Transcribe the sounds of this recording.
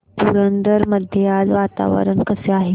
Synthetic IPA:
puɾənd̪əɾməd̪ʱjealʋat̪a̰ʋə̰ɾəɳkəseaɦe

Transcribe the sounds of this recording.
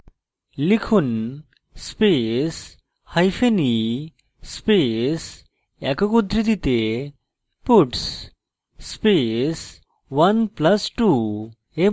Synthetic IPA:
likʰun | spes | hɐjfeni | spes | ɛkəkud̪ʱɾid̪it̪e | puʈs | spes | ʋɐnplɐsʈu | e

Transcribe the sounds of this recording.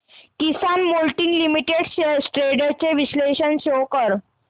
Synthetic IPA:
kisanmolʈinlimiʈeɽssʈɾeɽat͡ɕeʋisleɕənɕokəɾ

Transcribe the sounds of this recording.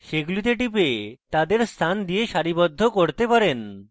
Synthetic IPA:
ʃeɡulit̪̬eʈipet̪ad̪eɾst̪ʰand̪ijeʃaɾibɔd̪ʱːokoɾt̪epaɾen

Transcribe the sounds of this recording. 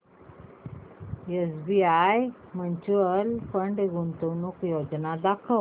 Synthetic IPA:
esbiaj | məɲt͡ɕuəlpəɳɖɡunt̪ənukjod͡ʑnad̪akʰəʋ

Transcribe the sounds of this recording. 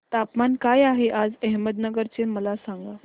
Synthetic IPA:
t̪apmankajaɦeʔad͡zɛɦməd̪nəɡəɾt͡seməlasaŋɡa

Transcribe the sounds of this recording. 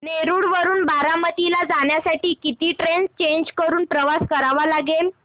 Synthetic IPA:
neɾuːɽʋəɾuːnbaɾamət̪ilad͡zaɳjasaʈiːkit̪iːʈɾenst͡ɕeɲd͡ʑkəɾuːnpɾəʋaskəɾaʋalaɡel

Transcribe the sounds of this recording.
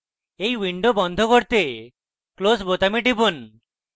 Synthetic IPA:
ejwiɳɖobɔnd̪ʱokoɾt̪e | klosbot̪amiʈibon

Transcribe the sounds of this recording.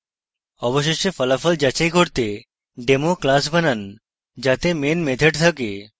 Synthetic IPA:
ɔboʃ̬eʃefɔlafɔld͡ʑat͡ɕajkʰoɾt̪e | ɖemoklas̬banan | d͡ʑat̪emenmed̪ʱeʈt̪ʰake

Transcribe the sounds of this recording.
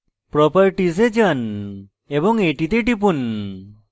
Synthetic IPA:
pɾɔpəɾʈized͡ʒən | ebɔŋeʈit̪eʈ̬ip̬un

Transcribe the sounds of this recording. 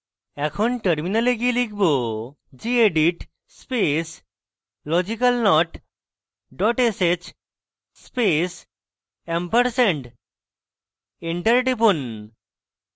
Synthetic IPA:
ɛkʰonʈəɾminaleɡielikʰbo | d͡ʑieɖiʈ | spes | lɔd͡ʑikalnɔʈ | ɖɔʈeset͡ɕ | spes | empəɾsɛɳɖ | eɳʈəɾɖipun

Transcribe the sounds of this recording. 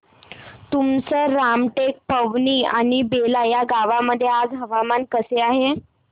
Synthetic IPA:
t̪umt͡səɾamʈek̚pəʋniːa̰ɽ̃ibelajaɡaʋaməd̪ʱːjead͡zɦəʋamankəseaɦe

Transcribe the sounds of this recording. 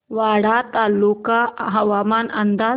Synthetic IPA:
ʋaɽat̪alːukaɦəʋamanənd̪a

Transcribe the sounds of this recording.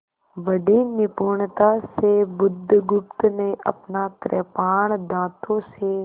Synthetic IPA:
ʋəɖenɪpuːɳt̪asebʊd̪ʱːɡʊp̚t̪neʔɐ̰pnakɾɛpaːɳd̪aːt̪ʰõse

